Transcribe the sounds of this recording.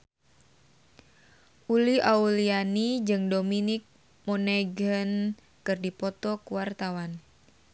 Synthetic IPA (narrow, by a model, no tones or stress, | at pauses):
ʔuliʔaulianid͡ʒɨŋdominik̚ | mɔnɛɡən | kɨrdipɔt̪ɔkuwart̪awan